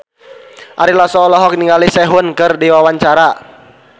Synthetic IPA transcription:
ʔaɾilasɔːlɔɦɔk̚niŋalisɛɦʊnkɨrdiwawaɲt͡ʃaɾa

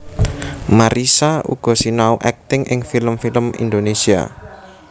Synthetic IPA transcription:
maɾisaṵɡ̥ɔ̤sinauʔɛk̚t̪ɪŋʔɪŋfiləmfiləmḭnd̪onesia̰

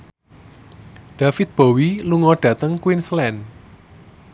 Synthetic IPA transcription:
ɖ̥a̤fɪt̪̚b̥o̤wiluŋɔɖ̥ä̤t̪əŋkwinslɛn

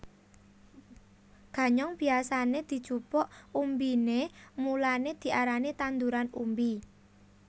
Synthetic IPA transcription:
ɡ̥a̤ɲɔŋb̥i̤asaned̪̥i̤d̥ʒ̥ṳpɔʔumbinemulaned̪̥i̤ʔaɾanet̪and̪uɾanṵmbi

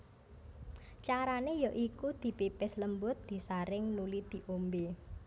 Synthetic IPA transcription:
t͡ʃaɾanejɔʔikud̪̥i̤pipɪsləmbʊt̪̚d̪̥i̤saɾɪŋnulid̪̥i̤ʔombe

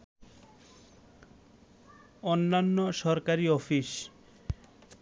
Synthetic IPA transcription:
onːanːoʃɔɾkaɾiɔfiʃ

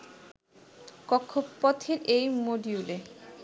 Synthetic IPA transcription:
kɔkʰːopːɔt̪ʰeɾejmoɖiule

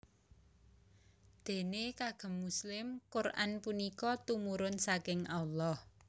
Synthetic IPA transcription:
d̪̥e̤nekaɡ̥ə̤mːuslɪmkʊrʔa̰npunikɔt̪umuɾʊnsakɪŋʔalːɔh

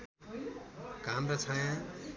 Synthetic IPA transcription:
kamɾʌt͡sʰajã

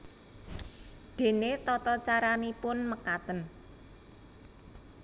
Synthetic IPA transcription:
ɖ̪̥e̤net̪ɔt̪ɔt͡ʃaɾanipʊnməkat̪ən

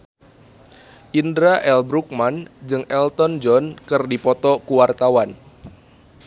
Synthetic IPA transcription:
ʔindɾaʔɛlbɾuk̚mand͡ʒɨŋʔɛlt̪ɔnd͡ʒɔnkɨrdipɔt̪ɔkuwart̪awan

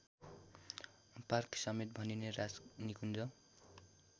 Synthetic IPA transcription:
parksʌmet̪̚bʱʌninerasnikund͡zʌ

